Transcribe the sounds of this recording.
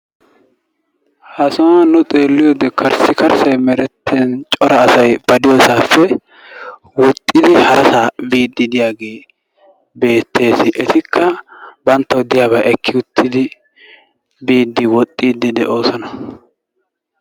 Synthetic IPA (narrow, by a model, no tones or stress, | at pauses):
hɐsɔːnʊt̪ʼe̞ːlːɪjoːd̪ɛkʰɐɾsɪkɐɾsɐjmɛɾɛt̪ʰːeːnt͡ʃʼɔɾɐːsɐjb̥ɐd̪ɪjoːsaːfːɛ | wɔt̪ʼːɪd̪ɪhɐɾɐsaːbiːd̪ːɪd̪ɪjaːɡe̞ː | be̞ːt̪ʰːe̞ːsɪʔɛt̪ɪkʰːɐbɐnt̪ːɐwɔd̪ɪjaːbɐʔɛkʰːɪʊt̪ʰːɪd̪ɪ | biːd̪ːɪwɔt̪ʼːiːd̪ɪd̪ɛʔo̞ːsɔnɐ